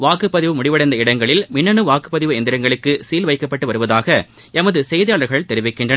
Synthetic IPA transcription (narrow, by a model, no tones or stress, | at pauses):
ʋaːkɯpːɐðɪʋɯmʊɽɪʋɐɽɐɪnd̪ɐɪɽɐŋɡɐɭɪlmɪnːɐnɯʋaːkɯ̥pːɐðɪʋɯɛnd̪ɪɾɐŋɡɐɭɯkːɯsiːlʋɐɪkːɐpːɐʈːɯʋɐɾɯʋɐðaːɣɐ | ɛmɐðɯsɛjðɐjaːɭɐɾɣɐɭt̪ɛɾɪʋɪkːɪndrɐn